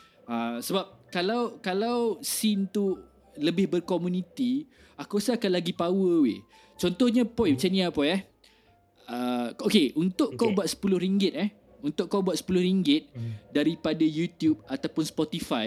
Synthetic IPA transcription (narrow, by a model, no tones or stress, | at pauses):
asəbap̚kalawkalawsint̪u | ləbɪhbərkɔmunit̪i | akusaakanlaɡipawəwe | t͡ʃɔnt̪ɔhɲãpɔjpat͡ʃaniapɔjɛh | əokeʔunt̪ʊʔkawbwat̪̚sə̥pulʊhɾiŋɡɪt̪̚ɛh | unt̪ʊʔkawbuat̪̚sə̥pulʊhɾiŋɡɪt̪̚daɾipadajut̪jub̚at̪awpʊnspɔt̪ifaj